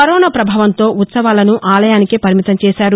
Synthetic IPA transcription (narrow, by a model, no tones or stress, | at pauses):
ɐɾɔːnɐpɾɐbʱaːʋɐnt̪o̞ːut̪sɐʋaːlɐnuʔaːlɐjaːnikepɐɾimit̪ɐmt͡ʃɛːʃaːɾu